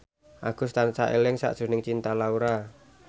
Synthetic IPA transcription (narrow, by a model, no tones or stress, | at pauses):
ʔaɡ̥ʊ̤st̪ansaʔelɪŋsa̰ʔd̥ʒ̥ṳnɪŋt͡ʃint̪alauɾa